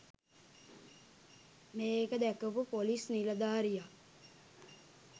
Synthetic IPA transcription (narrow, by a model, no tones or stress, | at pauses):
meːkəd̪ækəpupolisniləd̪aːɾija